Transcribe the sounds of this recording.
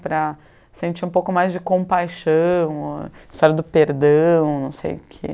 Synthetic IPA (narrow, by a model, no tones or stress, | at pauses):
pɾɐ | sẽnt͡ʃiɾũpowkʊmajzd͡ʒɪkõpajʃɐ̃w̃ɪst̪ɔɾjɐd̪ʊpeɾd̪ɐ̃w̃nɐ̃w̃sḛjʊkʰḛ